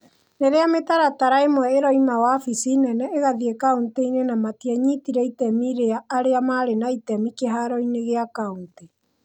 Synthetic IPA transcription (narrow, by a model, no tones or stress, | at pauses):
neɾeametaɾataɾaemwɛeɾɔimawafisinɛnɛeɣaðiekaunteinenamatiaɲitiɾɛitɛmiɾeaːɾeamaɾenaitɛmikeɦaɾɔineɣeakaunte